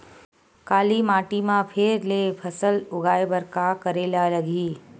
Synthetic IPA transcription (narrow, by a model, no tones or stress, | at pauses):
kaːlimaːʈimãpʰeːɾlepʰəsəlʊɡaːebəɾkakəɾeːlaləɡʱiː